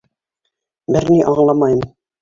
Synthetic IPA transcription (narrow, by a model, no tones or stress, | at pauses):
bɘɾniʔɑɴlˠɑmɑjɤm